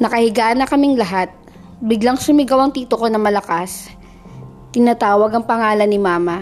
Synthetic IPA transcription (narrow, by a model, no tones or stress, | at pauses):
nɐkɐhɪɡaːnɐkɐmɪŋlɐɦat̪̚ | bɪɡlaŋsʊmɪɡɐwaŋt̪iːt̪okonɐmɐlɐkas | t̪ɪnat̪aːwɐɡɐŋpɐŋaːlɐnːɪmaːmɐ